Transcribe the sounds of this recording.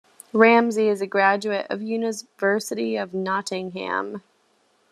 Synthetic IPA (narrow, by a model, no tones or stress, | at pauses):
ɹæ̃mziɨzɨɡɹæd͡ʒʉɨɾʌ̰vjʉnɨvɜ˞sɨɾiʌvnɑɾɪ̃ŋɦæ̰̃m